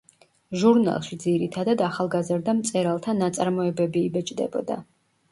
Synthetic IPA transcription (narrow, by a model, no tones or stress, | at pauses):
ʒuɾna̰lˠʃid̪ziɾit̪ʰad̪ad̪aχalˠɡazɾd̪amt̪sʼɛɾalˠt̪ʰanat̪sʼaɾmɔɛbɛbiːbɛt͡ʃʼd̪ɛ̰bɔ̰d̪a̰